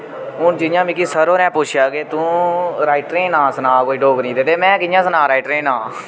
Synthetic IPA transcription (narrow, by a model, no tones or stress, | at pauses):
ʊːd͡ʒɪnjãːmĩːk̬iːsəɾoːɾɛ̃ːpʊt͡ʃʰjaːkeːt̪ũːɾaːɪʈɾẽːnãːsənãːkoːiːɖoːknĩːd̪eːt̪eːmɛ̃ːkɪjãːsnãːɾaːɪʈɾẽːnãː